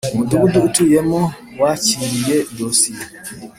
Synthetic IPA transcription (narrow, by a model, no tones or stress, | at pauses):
muduɡuduʔtujɛmɔ | wat͡ʃiɾijedosi